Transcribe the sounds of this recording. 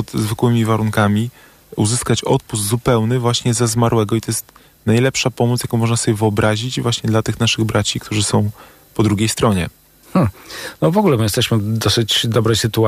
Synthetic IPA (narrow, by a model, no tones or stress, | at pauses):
pɔt̪zvɘkwɘmʲivaɾuŋkamʲi | ṵzɘskat͡ɕɔt̪̚puszupɛwnɘvwaɕɲɛzazmaɾwɛɡɔit̪ɔjɛst̪ | najlɛpʂapɔmɔt̪sjakɔ̃w̃mɔʐnasɔbʲjɛvɘɔbɾaʑid͡ʑvwaɕɲɛd̪lat̪ɘxnaʂɘɣbɾʔat͡ɕik̚t̪uʐɘsɔ̃w̃ | pɔd̪ɾuɡʲejst̪ɾɔɲɛ̰ | m̩nɔvɔɡulɛmɘjɛst̪ɛɕmɘd̪ɔsɘt͡ɕd̪ɔbɾɛjsɘt̪ua